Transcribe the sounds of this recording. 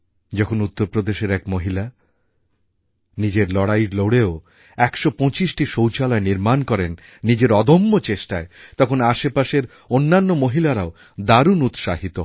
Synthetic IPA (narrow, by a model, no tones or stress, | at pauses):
d͡ʑɔkʰonut̪ːoɾpɾod̪eʃeɾɛkmoɦila | nid͡ʑeɾlɔɽajɾloɽeo | ɛkʃopɔ̃t͡ɕiʃʈiʃowt͡ɕalaeniɾmankɔɾenː | id͡ʑeɾɔd̪omːot͡ɕeʃʈaet̪ɔkʰonaʃepaʃeɾ | onːanːomoɦilaɾao | d̪aɾunut̪ʃaɦit̪o